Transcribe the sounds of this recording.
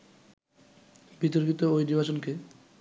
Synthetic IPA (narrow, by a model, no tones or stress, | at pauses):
bit̪oɾkit̪oojniɾbat͡ɕonke